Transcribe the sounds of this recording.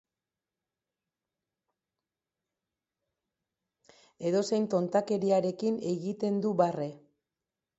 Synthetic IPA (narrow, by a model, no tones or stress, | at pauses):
e̞ðo̞se̞jnt̪o̞nt̪ake̞ɾiaɾe̞kine̞ɣit̪e̞nd̪uβare̞